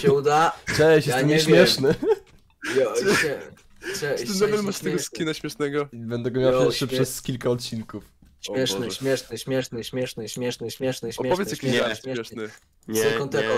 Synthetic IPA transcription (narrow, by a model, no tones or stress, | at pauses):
ɛud̪aʐɛɛɕɛsaɛɲɛɕmʲjɛʂnɘ | jɔɛ | t͡ɕɛd̪ɔvɛlmaʂst̪ɛɡɔskʲinaɕmʲjɛʂnɛɡɔbɛnd̪ɛɡɔmʲjawaʂɛpʂɛskʲilkaɔt̪̚t͡ɕinkufɕmjɛʂnɛɕmʲjɛʂnɨɕmʲjɛʂnɨɕmʲjɛʂnɘɕmʲjɛʂnɨɕmʲjɛʂnɨɕʲɛpɔvɛsjakiɛɛʂɨ | sɛkɔ̃nt̪ɛkɔ